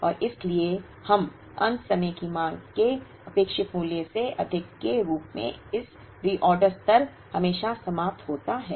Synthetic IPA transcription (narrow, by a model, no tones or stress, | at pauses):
ɔːɾʔɪslie | hɐm | ɐ̰̃nt̪sɐməjkimãːŋɡke | ɐpeːkʃɪt̪muːljəseʔɐd̪ʱɪkːeɾuːpmḛ̃ɪs | ɾiːʔɔːɾɖəɾst̪ɐɾ | hɐmeːʃasɐmaːp̚t̪ɦoːt̪aɦɛː